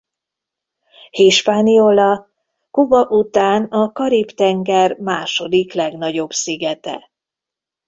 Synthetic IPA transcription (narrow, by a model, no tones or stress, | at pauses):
hiʃpaːniolɒ | kubɒʔut̪aːnɒkɒɾipt̪ɛŋɡɛrmaːʃo̞d̪iklɛɡn̪ɒɟo̞bsiɡɛt̪ɛ̰